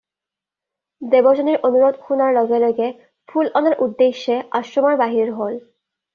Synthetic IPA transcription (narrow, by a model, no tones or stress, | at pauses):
dɛbɔzɔniɹʔonuɹɔdxunaɹlɔɡɛlɔjɡɛ | pʰulɔnaɹʔudːeʃːɛasɔmaɹbaɦiniɹɦol